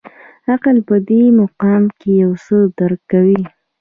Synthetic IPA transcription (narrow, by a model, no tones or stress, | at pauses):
aqalpəd̪emoqɑmkejawsəd̪aɾkːawi